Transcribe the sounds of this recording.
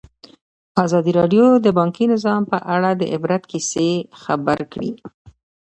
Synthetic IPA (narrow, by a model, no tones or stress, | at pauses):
ɑzɑd̪iɾɑɖjod̪əbɑŋkinɪzɑmpəʔaɽad̪ə̰ʔɪbɾat̪kisexabaɾkɽḭ